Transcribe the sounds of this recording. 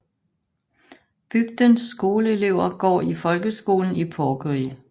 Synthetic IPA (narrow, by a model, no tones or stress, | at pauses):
b̥yɡ̥̚d̥ənsːɡ̥o̝ːləe̝le̝ʊ̰ɐɡ̥ɒ̰ːifɒ̽lɡ̥əsɡ̥o̝ːln̩ipʰɒːɡ̥əʁi